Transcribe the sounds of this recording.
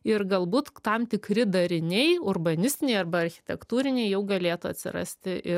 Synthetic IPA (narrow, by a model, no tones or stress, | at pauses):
ɪɾɡɐlˠbuːt̪t̪ɐmt̪ʲɪkɾʲɪd̪ɐɾʲɪnʲɛɪʊrbɐnʲɪsʲt̪ʲɪnʲɛɪɐrbɐɐɾʲxʲɪ̥t̪ʲɛkt̪uːɾʲɪnʲɛɪjɛʊɡɐlʲeːt̪ʊɐ̰t̪ʲsʲɪ̰ɾɐ̰sʲt̪ʲɪʔɪ